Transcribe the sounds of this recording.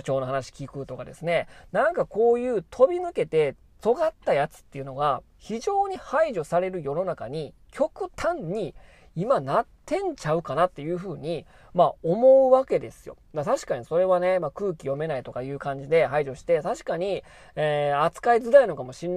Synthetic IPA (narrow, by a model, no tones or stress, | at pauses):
t͡ɕo̞ːnoɦanaɕi̥kʲikɯ̟t̪o̞kad̪e̞sɨne̞nãŋkako̞ːjɯ̟ːt̪ʰo̞bʲinɯ̟ke̞t̪e̞ | t͡so̞ɡat̪ːajat͡sɨ̥t̪ːe̞jɯ̟no̞ɡa | çiʑo̞ːɲ̟ihaiʑo̞saɾe̞ɾɯ̟jo̞no̞naka̰ɲ̟ikʲʰo̞kɯ̟t̪ʰãɲ̟ɲi | imanatt̪ːẽ̞ɲ̟t͡ɕaɯ̟kanat̪ːe̞jɯ̟ːɸɯ̟ːɲ̟i | maomo̞ɯβake̞d̪e̞sɨjo̞̰d̪at̪aɕi̥kaɲ̟iso̞ɾe̞βane̞makɯ̟ːkʲijo̞me̞nait̪o̞kajɯ̟ːkãɲ̟d͡ʑid̪e̞ɦaiʑo̞ɕi̥t̪e̞t̪aɕi̥kaɲ̟i | eːat͡sɨ̥kaizɨd̪aino̞kamo̞ɕĩnː